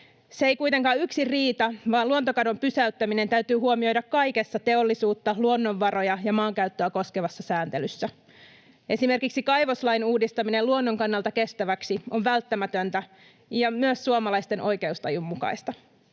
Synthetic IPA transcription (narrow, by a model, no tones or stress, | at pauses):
seejkujt̪eŋkɑːyksiriːt̪ɑʋɑːnluo̞nt̪okɑdo̞mpysæyt̪ːæmine̞nt̪æyt̪yːɦuomio̞jdɑkːɑjke̞sːɑt̪e̞o̞lːisuːt̪ːɑluonːo̞ʋːɑro̞jɑjɑmɑːŋkæyt̪ːøæko̞ske̞ʋɑsːɑsæːnt̪e̞lysːæ | ʔe̞sime̞rkiksikɑjʋo̞slɑjnuːdist̪ɑmine̞luonːoŋkɑnːɑlt̪ɑke̞st̪æʋæksio̞ʋʋælt̪ːæmæt̪ønt̪æ | jɑmyøsːuomɑlɑjst̪e̞nʔo̞jke̞ust̪ɑjumːukɑ̰jst̪ɑ